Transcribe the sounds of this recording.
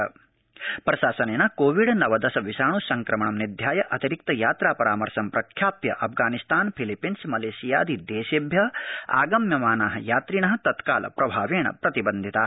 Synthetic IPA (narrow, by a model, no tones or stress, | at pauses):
pɾɐʃaːsɐneːnɐkoːʋiɖnɐʋɐd̪ɐsɐʋiʃaːɳusɐŋkɾɐmɐɳɐmnid̪ʱjaːjɐʔɐt̪iɾik̚t̪ɐjaːt̪ɾaːpɐɾaːmɐɾsɐmpɾɐkʰjaːpjɐ̰ʔɐp̚ʰɡaːnist̪aːnpʰilipːinsmɐleːsija̰ːd̪id̪eːʃebʱjɐa̰ːɡɐmjɐmaːnaːɦɐjaːt̪ɾiɳɐɦɐ̆t̪ɐt̪kaːlʔɐ̰pɾɐbʱaːʋeːɳɐ̰pɾɐt̪ibɐnd̪ʱit̪aː